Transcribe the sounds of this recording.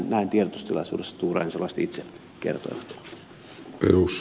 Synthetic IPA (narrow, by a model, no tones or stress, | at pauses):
nnæint̪ierot̪u̥st̪ilɑ̰sṵːdesːɑ̥t̪uːrɑ̰inselːˑɑˑst̪it̪se | kḛrt̪o̰iʋɑt̪ | pḛrusː